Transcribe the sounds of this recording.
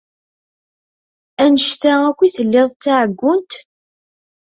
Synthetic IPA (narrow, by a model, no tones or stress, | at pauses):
ænəʃt̪æækʷːiθəlːɪðˤt͡st͡sːaʕəɡʷːʊnt̪